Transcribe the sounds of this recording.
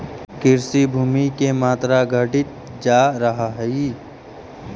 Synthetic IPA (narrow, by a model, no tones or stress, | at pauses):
kɪɾsibʱuːmikemaːt̪ɾaɡʱəʈɪt̪̚ | d͡ʒaːɾəɦaɦɛi